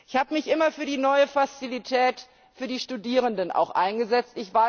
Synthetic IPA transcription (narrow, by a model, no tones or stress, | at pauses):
ʔɪçhaːbəmɪçʔɪmɐfyːɐdiːnɔʏəfast͡silitʰɛːt | fyːɐdiːʃtudiːʁ̞əndənʔa̰ʊxʔa̰ɪnɡəzɛt͡stɪçv̥aɐ